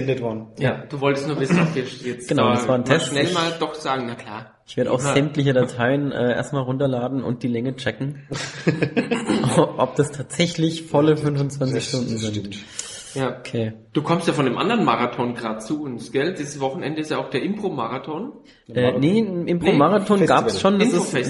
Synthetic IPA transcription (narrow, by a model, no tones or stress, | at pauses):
ɛndətvɔɐdn̩jad̥uːvɔltəstnuːɐvɪsn̩ɔpv̥iːɐʃɛt͡sɡənaʊdasv̥aːɐntʰɛstnɛlmaːldɔχz̥aːɡŋ̩nakʰlaː | ʔɪçv̥eɐɾəʔaʊxz̥ɛmtlɪçədatʰaɪənʔɛːʔḛɐstmaːlʁʊntɐlaːdn̩ʊ̰nt̚d̥iːlɛŋət͡ʃɛkŋ̩ | ʔɔp̚d̥astʰaːtz̥ɛçlɪçfɔləfʏnvʊnt͡sv̥ant͡sɪçʃtʊndn̩zɪnt | jaokʰeː | d̥uːkʰɔmstjaːfɔndeːmʔa̰ndɐʁənmaʁatʰɔnɡʁaːd̚t͡suʊnsɡ̥ɛldiːzəsvɔχn̩ʔɛndəɪstjaaʊxd̥eːɐʔɪmpʁ̥omaʁatʰɔn | ʔɛːniɪmʔɪmpʁ̥omaʁatʰɔnɡaːpsʃoːnːsɪs